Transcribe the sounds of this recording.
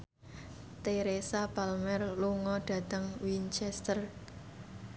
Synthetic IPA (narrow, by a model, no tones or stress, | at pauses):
t̪eɾesapalmɛrluŋɔɖ̥ä̤t̪əŋwint͡ʃɛst̪ər